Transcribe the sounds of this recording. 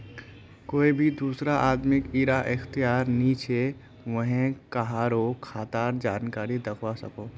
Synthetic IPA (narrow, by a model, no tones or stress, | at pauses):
koːibʱid̪uːsɾaʔaːd̪mɪkiɾaʔɪxt̪ijaːɾniːt͡ʃe | ʋəɦẽkaɦaːɾokʰaːt̪aːɾd͡ʒaːnkaːɾid̪ɐkʰwasɐ̰koː